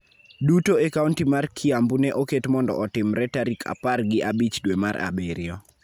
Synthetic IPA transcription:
dutoekauntimarkʰɪambunɛʔoketmɔndɔ̰ʔɔtɪmɾɛtaɾikʰa̰parɡɪʔabit͡ʃdwemaɾa̰beɾɪɔ

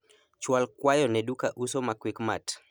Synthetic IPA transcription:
t͡ʃwalkwajɔnɛɗukaʔusɔmakwikmat

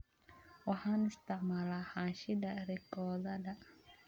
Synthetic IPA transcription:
wahanust̪amalahaʃidaɾikɔdada

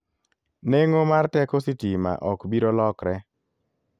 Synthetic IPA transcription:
neŋomartɛkositima̰ʔɔkbiɾolɔkɾɛ

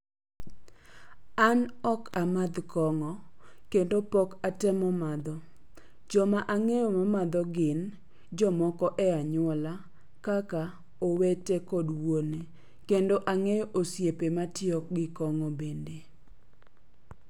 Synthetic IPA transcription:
anɔkamad̪kɔŋɔkendopɔkatɛmɔmad̪ɔ | d͡ʒɔmaʔaŋejɔmamad̪ɔɡɪn | d͡ʒɔmɔkɔʔɛaɲʊɔla | kaka | owetekɔdwone | kendoʔaŋejoʔosjepematɪɔk̚ɡɪkɔŋɔbende

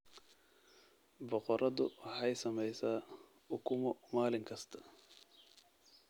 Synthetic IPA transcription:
bɔqɔɾʔɐðʊ̰wħɑjsɐmɛjsaː | ʊkʰʊmɔmaːlɪŋkʰɐst̪ʰɐ̥

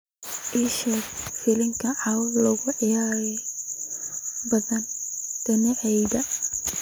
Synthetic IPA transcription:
ʔiʃɐfɪlɪŋkʰɐʕɑwlɐɣʊʕɪjaːɾi | bɐðɐnd̪̥ɐnɪʕɛjðɐ

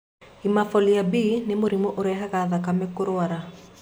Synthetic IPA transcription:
imafɔliabiːnemoɾimoʔoɾɛɦaɣaðakamɛkoɾoaɾa

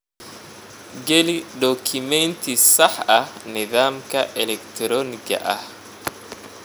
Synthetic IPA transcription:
ɡɛliɖɔkʰɪmɛnt̪ʰisɐħɐhnɪðaːmkʰɐʔɛlɛkt̪ʰɾɔːnɪɡɐ̰ʔɐh

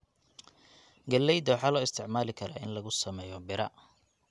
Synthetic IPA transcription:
ɡɐlːɛjd̪ɐwħɑːlɔːɪst̪ʰɪʕmaːlɪkʰɐɾa̰ːɪ̰nlɐɣʊsɐmɛːjɔbɪɾɐ

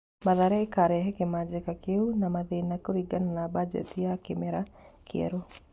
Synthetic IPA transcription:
maðaɾɛːkaɾɛɦɛkɪmad͡ʒɪkakeunamaðɪnakoɾiɡananabad͡ʒɛ̰t̪ijakɪmɛɾakjḛɾo

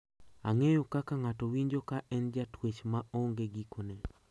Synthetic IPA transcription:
a̰ŋejokakaŋatowiɲd͡ʒokaʔɛnd͡ʒatwet͡ʃmaʔoŋɡeɡikonɛ

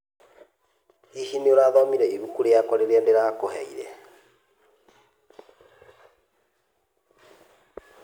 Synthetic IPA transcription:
ihinioɾaðɔmiɾɛiβukuɾejakaɾeɾandeɾakohɛ̰iɾɛ̰

